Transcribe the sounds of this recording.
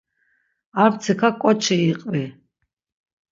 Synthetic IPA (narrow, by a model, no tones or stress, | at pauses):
aɾt͡sʰɨkʰakʼɔt͡ʃʰɛiqʼvi